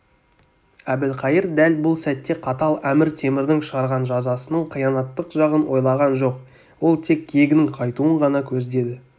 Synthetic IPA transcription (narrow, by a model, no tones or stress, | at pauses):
æb̪ɪlqʰɑjəɾd̪ælbʊlˠsæt̪ːe̞qʰɑt̪ɑlˠæmɪɾt̪ʰe̞mɪɾd̪ɪŋʃəʁɑɾʁɑnʒɑzɑsənəɴqʰijɑnɑt̪ːəqʒɑʁənwo̞jlˠɑʁɑnʒo̞q | wo̞lˠt̪ʰe̞kːʲʰeɡʲɪnɪŋqʰɑjt̪uəɴʁɑnɑkʲʰɵzd̪e̞d̪ɪ